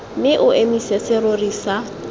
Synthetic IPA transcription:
mɪʔʊʔemisɛsɪrorisa

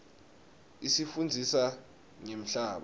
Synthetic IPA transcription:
isifund͡zʱisa | ŋem̩ɬaːɓa

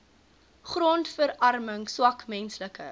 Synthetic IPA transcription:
χrɔntfəɾɐrməŋswɐkmɛnsləkə̰

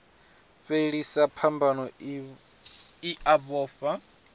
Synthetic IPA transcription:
feɺisapʰambʱanɔ | iʔaβɔːfa

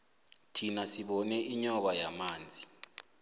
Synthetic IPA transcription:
tʰinasiɓɔnɛʔiɲɔɓajamaːnd͡zʱi

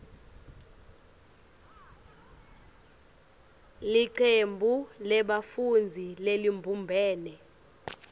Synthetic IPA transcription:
liǀʰembʱulɛɓafund͡zʱilelimbʱumbʱɛːnɛ

